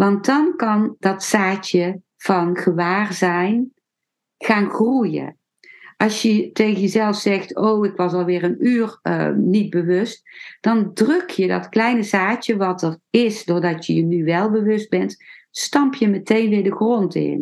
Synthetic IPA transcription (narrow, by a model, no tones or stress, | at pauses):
ʋɑnt̚dɑnkɑndɑtsaːtjə | v̥ɑnχəʋaːrzɛjn | χaːnxrujə̰ | ʔɑlˠsjətejɣənjəzɛlˠfsɛχtowɪkʋɑsɑlˠʋɪːrənyːr̰nid̚bəʋɵst̚d̥ɑndrɵkjədɑtklɛjnəzaːtjəʋɑtərɪsdʊːɹdɑtjəjənyʋɛlˠbəʋɵsd̚bɛntstɑmpjəmətejnʋɪːɹdəχrontɪ̰n